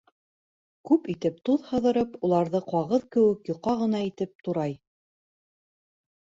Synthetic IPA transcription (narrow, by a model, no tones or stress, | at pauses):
kʉpit̪ɘp̚t̪uðhɤ̆ðɤ̆ɾɤpulˠɑɾðɤqɑʁɤðkɘ̆wɘkjŏqːɑʁɤ̆nɑit̪ɘp̚t̪uɾɑj